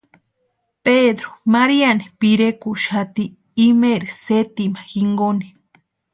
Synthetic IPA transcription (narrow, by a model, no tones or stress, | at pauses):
ped̪ɾo̥maɾianipiɾekuʃat̪iː | meɾiset̪imaxiŋɡoni̥